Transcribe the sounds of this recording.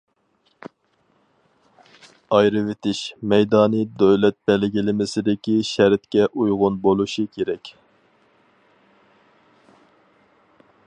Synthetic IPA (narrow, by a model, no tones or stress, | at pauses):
ɑjɾɨvɪt̪ʰɪʃmɛjd̪ɑːnɨd̪øwlɛt̪̚b̥ɛlɡʲilɪmɪsɪd̪ɪkʲiʃæɾɪt̪kʲɛʔujʁʊnbolˠuʃikʲʰeɾɛkʲ